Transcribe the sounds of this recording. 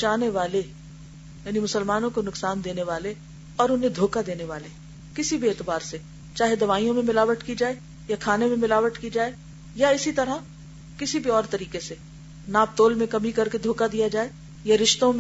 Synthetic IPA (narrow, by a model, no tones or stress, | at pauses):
t͡ʃaːneʋaːle | jaːnimʊsəlmaːnõkonʊksaːnd̪eːneʋaːle | ɔːɾʊnɦẽd̪ʱoːkad̪eːneʋaːle | kɪsibʱieːt̪ɪbaːɾse | t͡ʃaːɦed̪ɐʋaːijõmẽmɪlaːʋəʈkid͡ʒaːe | jakʰaːnemẽmɪlaːʋəʈkid͡ʒaːe | jaɪsit̪ɐɾa | kɪsibʱiɔːɾt̪ɐɾiːkese | naːp̚t̪oːlmẽkɐmikɐɾked̪ʱoːkad̪ijad͡ʒaːe | jaɾɪʃt̪õm̃